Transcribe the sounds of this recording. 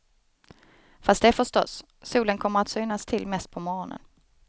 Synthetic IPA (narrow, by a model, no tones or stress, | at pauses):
fast̪d̪ɛæːɾfœʂʈɔ̰s | sːuːlənkʰɔmːəɾat̪syːnast̪ʰɪlmɛst̪̚pʰɔmɔɾɔnə̰n